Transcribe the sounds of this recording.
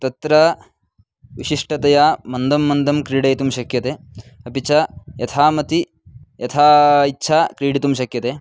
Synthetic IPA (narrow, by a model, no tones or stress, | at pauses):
t̪ɐt̪ɾɐ | ʋiʃiʂʈɐt̪ɐjaːmɐnd̪ʱɐmːɐnd̪ɐmkɾiːɽɐjt̪umʃɐkjɐt̪eːɐpit͡ʃʰɐjɐt̪ʰaːmɐt̪i | jɐt̪ʰaːitːʃʰaːkɾiːɽit̪umʃɐkjɐt̪eː